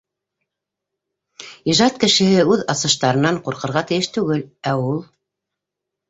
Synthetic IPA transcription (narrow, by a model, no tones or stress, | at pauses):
iʒɑt̪kɘ̆ʃɘ̆hɘʉðɑsɤ̆ʃt̪ɑɾɤ̆nɑɴqŭɾqɤ̆ɾʁɑt̪ɘ̆jɘʃt̪ʉɡɘlæulˠ